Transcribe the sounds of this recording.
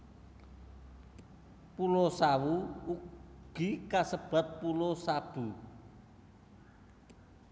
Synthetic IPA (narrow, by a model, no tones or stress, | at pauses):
pulosawuuɡ̥i̤kasəb̥a̤t̪̚pulosab̥ṳ